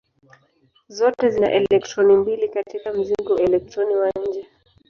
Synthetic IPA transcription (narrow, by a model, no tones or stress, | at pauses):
zɔtɛzina̰ʔɛlɛk̚tɾɔnimbilikatikam̩ziŋɡɔʔɛlɛk̚tɾɔniwaɲ̩d͡ʒɛ